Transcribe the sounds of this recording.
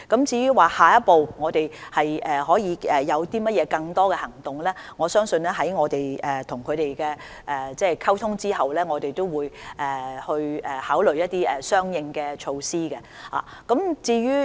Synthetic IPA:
kɐ˨˥mt͡siː˧ɥyː˥waː˨haː˨˩jɐ˥t̚po˨˧wŋɔː˨˧t̪e˨jhɐ˨jɛ˨ɦɔː˨˥jiː˨˧ɛː˨jɐ˨˧wt̪iː˥mɐ˥t̚jɛː˨˧kɐ˧ŋt̪ɔː˥kɛː˧hɐ˨˩ŋt̪ʊ˨ŋlɛː˥ŋɔː˨˧sœː˥ŋsɵ˧nlɛː˥ɦɐ˨˥jŋɔː˨˧t̪e˨jʔɛː˨t̪ʰʊ˨˩ŋkʰɵ˨˧ɥt̪e˨jkɛ˧ | ʔɛ˨t͡sɛː˥˩kʰɐ˥wt̪ʰʊ˥ŋt͡siː˥hɐ˨wlɛː˥ŋɔː˨˧t̪e˨jt̪o˥wwuː˨˧jʔɛː˨˩hɵ˧ɥɛː˨haː˨˥wlɵ˨˩jɐ˥t̚t̪iː˥ʔɛ˨sœː˥ŋjɪ˧ŋkɛː˧t͡ʃʰo˧wsiː˥kɛ˧la̰ː˨˩kɐ˨˥mt͡siː˧ɥyː˥

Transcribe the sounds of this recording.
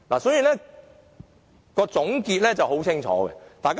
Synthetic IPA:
laː˨sɔː˨˥jiː˨˩lɛː˥ | kɔː˧t͡sʊ˨˥ŋkiː˧t̚lɛ˥t͡sɐ˨˩who˨˥wt͡sʰɪ˥ŋt͡ʃʰɔ̰ː˨˦˥ɡɛ̰˧t̪aː˨jka

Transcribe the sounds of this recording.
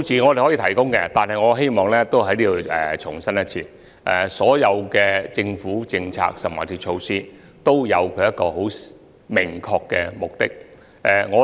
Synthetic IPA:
wt͡sʰiː˨ŋɔ˨˧e˨˩hɔ˨˥iː˧t̪ʰɐ˨˩jkʊ˥ŋkɛ˧t̪aː˨nhɐ˨jŋɔː˨˧ɦe˥jmɔː˨ŋlɛː˥t̪o˥wɦɐ˨˥jliː˥d̪o˧wɛː˨t͡ʃʰʊ˨˩ŋsɐ˥njɐ˥t̚t͡sʰḭː˧ | ʔɛ˨˩sɔː˨˥jɐ˨˧wkɛː˧t͡sɪ˧ŋfuː˨˥t͡sɪ˧ŋt͡sʰa̰ː˧k̚sɐ˨˩mwɐ̰ː˨˩t̪ʰiː˧t͡ʃʰo˧wsiː˥ | t̪o˥wjɐ˨˧wkʰɵ˨˧ɥjɐ˥t̚kːɔː˧ɦo˨˥w | mɪ˨˩ŋkʰɔː˧kːɛ̰ː˧mʊ˨˩k̚t̪ɪ˥k̚ | ʔɛ˨˩ŋɔː˨˧

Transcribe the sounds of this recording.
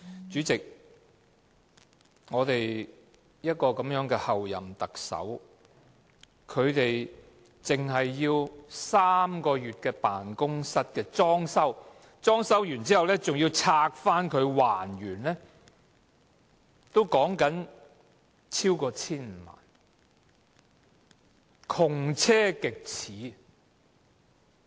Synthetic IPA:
t͡ʃyː˨˥t͡sɪ˨k̚ | ŋɔː˨˧t̪e˨j | jɐ˥t̚kɔː˧kɐ˨˥mjœː˨˥ŋkɛː˧hɐ˨wjɐ̰˨˩mt̪ɐ˨k̚sɐ̰˨˥w | kʰɵ˨˧ɥt̪e˨j | t͡sɪ˨ŋɦɐ˨jːiː˧wsaː˥mkɔː˧jyː˨t̚kɛː˧paː˨nkʊ˥ŋsɐ˥t̚kɛː˧t͡sɔː˥ŋsɐ˥w | t͡sɔː˥ŋsɐ˥wjyː˨˩nt͡si˥hɐ˨wlɛː˥t͡sʊ˨ŋjiː˧wt͡sʰaː˧k̚faː˥nkʰɵ˨˧ɥwaː˨˩njyː˨˩nlɛː˥ | t̪o˥wkɔː˨˥ŋkɐ˨˥n | t͡sʰiː˥wkɔː˧t͡sʰiː˥nm̩˨˧ma̰ː˨˩n | kʰʊ˨˩ŋt͡sʰɛː˥kɪ˨k̚t͡sʰiː˨˥

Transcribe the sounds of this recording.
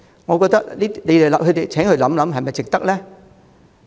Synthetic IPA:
ŋɔ˨˧kɔː˧k̚t̪ɐ˥k̚liː˥i˥le˨˧le˨˩lɐ˨hɵ˨˧t̪e˨˩jt͡sʰɛː˨˥ŋhɵ˧˥lɐ˨˥mlɐ˨˦mɦɐ˨jmɐ˨jt͡sɪ˨k̚t̪ɐ˥k̚lɛː˥

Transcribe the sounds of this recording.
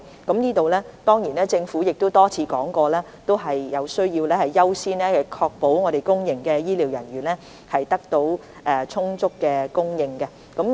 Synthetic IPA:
kɐ˨˥mniː˥t̪o˨wlɛː˥t̪ɔː˥ŋjiː˨˩nlɛː˥t͡sɪ˧ŋfuː˨˥jɪ˨k̚t̪o˥wt̪ɔː˥t͡sʰiː˨˧kɔː˨˥ŋkɔː˧lɛː˥ | t̪o˥wɦɐ˨jjɐ˨˧wsɵ˥ɥjiː˧wlɛː˥hɐ˨jːɐ˥wsiː˥nɛː˥hɐ˨kʰɔː˧k̚po˨˥wŋɔː˨˧ɾe˨˩jkʊ˥ŋjɪ˨ŋkɛː˧jiː˥liː˨˥wjɐ˨˩nɥyː˨˩nlɛː˥ | hɐ˨jt̪ɐ˥k̚t̪o˨˥w | ʔɛː˨˧t͡sʰʊ˥ŋt͡sʊ˥kːɛː˧kʊ˥ŋjɪ˧ŋkɛ˧ | kɐ˨˥m

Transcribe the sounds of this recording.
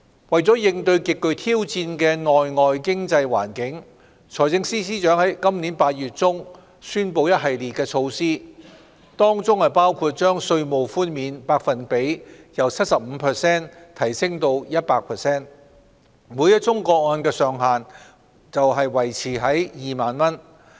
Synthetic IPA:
wɐ˨˩jt͡sɔː˨˥jɪ˧ŋt̪ɵ˧ɥkɪ˨kːɵ˧ɥt̪ʰiː˥wt͡siː˧nkɛː˧ŋɔː˨jŋɔː˨jkɪ˥ŋt͡sɐ˧jwa̰ː˨˩nkɪ˨˥ŋ | t͡sʰɔː˨˩jt͡sɪ˧ŋsiː˥siː˥t͡ʃœː˨˥ŋhɐ˨˥jkɐ˥mniː˨˥npaː˧t̚jyː˨t̚t͡sʊ˥ŋ | syː˥npo˧wjɐ˥t̚ɦɐ˨jliː˨˩t̚kɛː˧t͡sʰo˧wsiː˥ | t̪ɔː˥ŋt͡sʊ˥ŋhɐ˨jpaː˥wkʰuː˧t̚t͡ʃœː˥ŋsɵ˧ɥmo˨wfuː˥nmiː˨˧npaː˧k̚fɐ˨npe˨˥jjɐ˨˩wt͡sʰɐ˥t̚sɐ˨p̚m̩˨˧pʰɛ˨sɛː˥nt̪ʰɐ˨˩jsɪ˥ŋt̪o˧wjɐ˥t̚paː˧k̚pʰɛ˨˩sɛː˥n | mu˨˧jɐ˥t̚t͡sʊ˥ŋkɔː˧k̚ɔː˧nkɛː˧sœː˨ŋɦaː˨n | t͡sɐ˨wɦɐ˨jwɐ˨˩jt͡sʰiː˨˩ɦɐ˨˥jjiː˨maː˨nmɐ˥n

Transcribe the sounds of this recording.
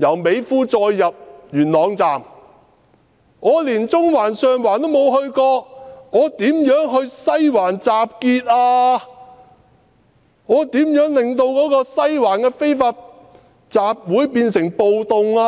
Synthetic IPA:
jɐ˨˩wme˨˧jfuː˥t͡sɔː˧jːɐ˨p̚jyː˨˩nlɔː˨˧ŋt͡saː˨m | ŋɔː˨˧liː˨˩nt͡sʊ˥ŋwaː˨˩nsœː˨˧ŋwaː˨˩nt̪o˥wmo˨˧wɦɵ˧ɥkɔː˧k̚ŋɔː˨˧t̪iː˨˥mjœː˨˥ŋɦɵ˧ɥsɐ˥jwaː˨˩nt͡saː˨p̚kiː˧t̚aː˧ | ŋɔː˨˧t̪iː˨˥mjœː˨˥ŋlɪ˨ŋt̪o˧wkɔː˨˥kɔː˧sɐ˥jwaː˨˩nkɛː˧fe˥jfaː˧t̚ | t͡saː˨p̚wuː˨˥jpiː˧nsɪ˨˩ŋpo˨˧wt̪ʊ˨˧ŋaː˧

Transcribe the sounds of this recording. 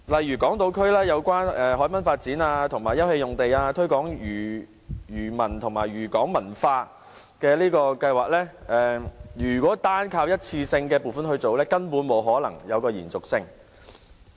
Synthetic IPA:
lɐ˨jːyː˨˩kɔː˨˥ŋt̪o˨˧wkʰɵ˥ɥlɛː˥jɐ˨˧wkʷaː˥nɛː˨ɦɔː˨˥jmɐ˨˥nfaː˧t̚t͡siː˨˥naː˧t̪ʰʊ˨˩ŋmaː˨˩jɐ˥whe˧jʊ˨ŋt̪e˨jaː˧t̪ʰɵ˥ɥkɔː˨˥ŋyː˨˩ | jyː˨˩mɐ˨˩nt̪ʰʊ˨˩ŋmaː˨˩jɥyː˨˩kɔː˨˥ŋmɐ˨˩nfaː˧ | kɛː˧liː˥kɔː˧kɐ˧jwaː˨k̚lɛː˥ʔɛː˨jyː˨˩kwɔː˨˥t̪aː˥nkʰaː˧wjɐ˥t̚t͡sʰiː˧sɪ˧ŋkɛː˧puː˨˩nfɐ˥nhɵ˧ɥt͡so˨wlɛː˥kɐ˥npuː˨˥nmo˨˧˥wɦɔː˨˥lɐ˨˩ŋjɐ˨˧wkɔː˧jiː˨˩nt͡sʊ˨k̚sɪ˧ŋ

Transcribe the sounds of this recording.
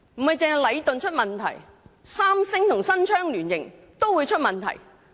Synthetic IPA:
m̩˨˩hɐ˨jt͡sɪ˨˧ŋɦjlɐ˨˧jt̪ɵ˨nt͡ʃʰɵ˥t̚mɐ˨nt̪ʰɐ˨˩j | saː˥msɪ˥ŋt̪ʰʊ˨˩ŋsɐ˥nt͡ʃʰœː˥ŋlyː˨˩njɪ˨˩ŋ | t̪o˥wuː˨˧jt͡ʃʰɵ˥t̚mɐ˨nt̪ʰɐ̰˨˩j

